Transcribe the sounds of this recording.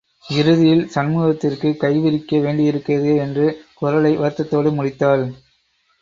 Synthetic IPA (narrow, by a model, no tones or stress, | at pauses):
ɪɾɯðɪjɪlsɐnmuːɣɐt̪ːɪrkɯkɐɪʋɪɾɪkːɐʋeːɳɖɪjɪɾɯkːɪɾɐðɯɛndrɯkʊɾɐlɐɪʋɐɾt̪ːɐt̪ːoːɽɯmʊɽɪt̪ːaːl